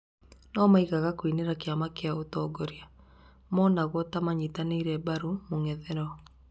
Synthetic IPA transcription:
nɔmaiɣaɣakwineɾakeamakeaotɔːɡoɾja | mɔnaɣwɔtamaɲitaneiɾɛbaɾumoŋɛðɛɾɔ

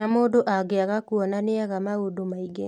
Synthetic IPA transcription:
amoːdoʔaɡeaɣakuɔnaneaɣamaodomaiɡe

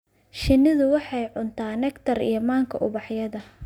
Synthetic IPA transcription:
ʃɪnɪðʊwɑħɑjʕʊnt̪ʰaːnɛkt̪ʰɐrḭjɔmaːŋkʰɐ̰ʔʊβɑħjɐðɐ

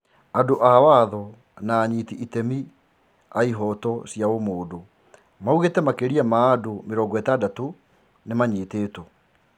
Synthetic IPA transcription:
adoʔawaðɔ | naːɲitiʔitɛmi | aiɦɔtɔsjaomoːdo | mauɣetɛmakeɾiamaːdomeɾɔːŋɡɔɛtadato | nemaɲeːteːto

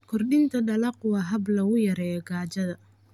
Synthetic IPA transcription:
kʰɔrɗɪnt̪ʰɐɗɐlɐqʊwɑɦɐblɐɣʊjɐɾɛːjɔɡaːt͡ʃɐðɐ

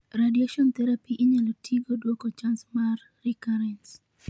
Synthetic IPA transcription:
ɾadiaʃɔnt̪ɛɾapiʔiɲalotʰiɡodwɔkot͡ʃansmarːikaɾɛns

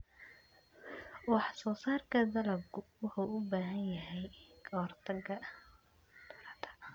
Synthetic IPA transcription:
wɑħɑsɔːsaːrkʰɐd̪ɐlɐb̚kʰʊwɑħuʊbaːɦɐnjɐɦɛjkʰɔrt̪ʰɐɡɐ | d̪ɐlt̪ʰɐ̥

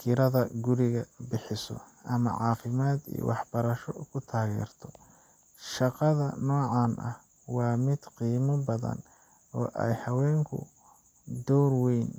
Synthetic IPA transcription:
kʰɪɾɐðɐɡʊɾɪɣɐbɪħɪsɔ̰ | ʔɐmɐ̰ʕɑ̰ːfɪmaːd̪ḭj̰wɑħbɐɾɐʃɔkʰʊt̪ʰaːɣɛ̰ːrt̪ʰɔ | ʃɑqɑðɐnɔːʕɑːnʔɐ̰h | wɑːmɪd̪̥qiːmɐbɐðɐ̰n | ɔːʔɛ̰jhɐwɛːŋkʰʊ̰ | d̪ɔwrwɛjn

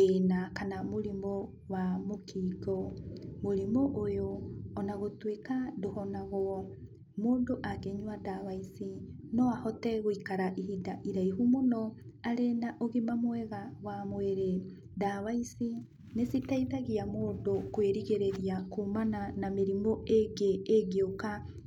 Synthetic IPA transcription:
enakanamoɾimɔ | wamokʰiɡɔmoɾimɔʔojoːnaɣotwekadohɔnaɣɔ | moːndoʔakeɲwadawaisinɔahɔtɛɣoikaɾaʔiɦidaʔiɾaiɦumonɔaɾenaʔoɣemamwɛɣawamweɾe | dawaisi | nesitaiðaɣiamoːndokweɾiɣeɾeɾiakomananameɾimɔeɡeːɣeoka

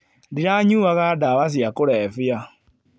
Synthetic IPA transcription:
diɾaɲuːβaɣadaβas̬jakoɾɛfja

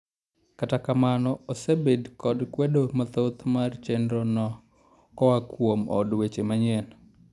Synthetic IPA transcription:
katakamanɔosebedkɔdkwedomat̪ot̪mart͡ʃendɾɔnɔ | kɔwakwomɔ̰dwet͡ʃemaɲɛn

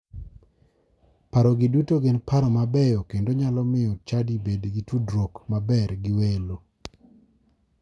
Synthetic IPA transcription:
paɾɔɡɪdutoɡɪnpaɾɔmabɛjokendoɲalɔmɪɔt͡ʃadibedɡitudɾokmabɛɾɡɪwelo

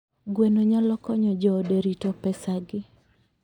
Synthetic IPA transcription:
ɡwenoɲalɔkɔɲɔd͡ʒɔːdeɾitɔpɛsaɡɪ

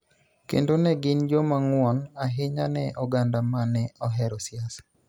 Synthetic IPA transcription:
kḛndonɛɡɪnd͡ʒomaŋwɔnaɦɪɲanɛʔɔɡandamanɛɔɦɛɾɔsjasḁ

